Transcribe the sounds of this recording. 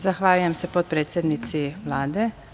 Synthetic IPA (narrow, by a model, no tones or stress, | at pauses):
zaxʋaːlujemsepot̪̚pɾeːt̪sjed̪nit̪siʋlaːd̪e